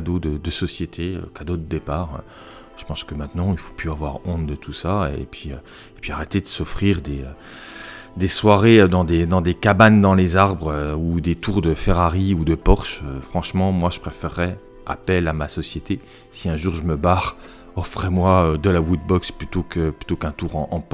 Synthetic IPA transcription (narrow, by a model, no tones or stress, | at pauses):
kd̪od̪əd̪əsɔsjet̪ʰeø̰kad̪od̪əd̪epaːʁø̰ | ʒ̥ə̥pɑ̃skəmɛ̃t̪nɑ̃ilfo̥pʰyavwaʁɔ̃t̪d̪ət̪ʰusaḛpʰɥiø | epɥiaʁet̪ed̪əsɔfχiʁd̪eø | d̪eswaʁed̪ɑ̃d̪ed̪ɑ̃d̪ekaband̪ɑ̃lezaʁbʁøud̪et̪uʁd̪əfɛʁaʁiud̪əpɔʁʃøfχɑ̃ʃmɑ̃mwaʒə̥pχefɛʁːɛ | a̰pɛlamasɔsjet̪e | siɛ̃ʒuʁʒəməbaʁ | ɔfχɛmwaød̪əlawut̪̚bɔksplyt̪okəplyt̪okɛ̃t̪uʁɑ̃ʔɑ̃p